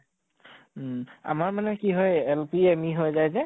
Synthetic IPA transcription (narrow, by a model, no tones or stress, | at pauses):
a̰maɹmanɛkiɦɔjɛlpiemiɦojzajzɛ